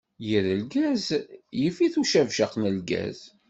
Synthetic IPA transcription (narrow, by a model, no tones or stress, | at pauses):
jəɾəlɡæzjəfiθuʃævʃæqnəlɡæ̰z̥